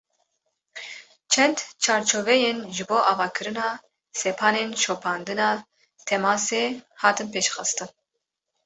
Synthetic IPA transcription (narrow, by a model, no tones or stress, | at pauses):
t͡ʃʰɛnd̪t͡ʃʰɑːɾt͡ʃʰovɛjeːnʒɨboːʔɑːvɑːkʰɨɾɨnɑː | sɛpʰɑːneːnʃoːpʰɑːnd̪ɨnɑː | t̪ʰɛmɑːseːhɑːt̪ɨnpeːʃxɨst̪ɨn